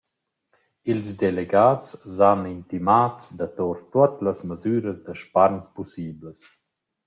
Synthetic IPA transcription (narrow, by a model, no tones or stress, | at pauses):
ilsd̪eleɡaːtszanint̪imaːtsd̪at̪oɾt̪uat̪ləsməzyːɾəsd̪əʃpaɾnpusiːbləs